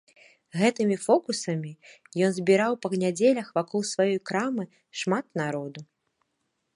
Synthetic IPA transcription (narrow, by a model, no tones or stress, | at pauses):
ɣɛt̪ɨmʲifɔkusɐmʲi | jɔnzʲbʲiɾawpɐɣnʲad͡zʲelʲɐxvakʰɔlˠsvajɔjkɾamɨ | ʂmat̪naɾɔd̪u